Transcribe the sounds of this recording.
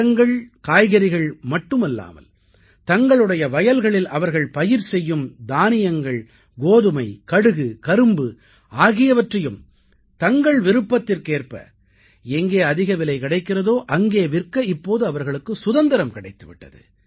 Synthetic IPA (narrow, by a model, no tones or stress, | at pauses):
ɐŋɡɐɭkaːjɣɐɾɪɣɐɭmɐʈːɯmɐlːa̰ːmɐ̰l | t̪ɐŋɡɐɭɯɽɐjɐʋɐjɐlɣɐɭɪlʔɐʋɐɾɣɐɭpɐjɪɾsɛjːɯmd̪aːnɪjɐŋɡɐɭ | ɡoːðɯmɐɪkɐɽɯɣɯkɐɾɯmbɯ | aːɣɪjɐʋɐʈrɐjɯm | t̪ɐŋɡɐɭʋɪɾɯpːɐt̪ːɪrkeːrpɐ̰ | ɛŋɡeːɐðɪɣɐʋɪlɐɪkɪɽɐɪkːɪrɐðoːʔɐŋɡeːʋɪrkɐɪpːoːðɯɐʋɐɾɣɐɭɯkːɯsʊðɐnd̪ɐɾɐmkɪɽɐɪt̪ːɯʋɪ̰ʈːɐ̰ðɯ̰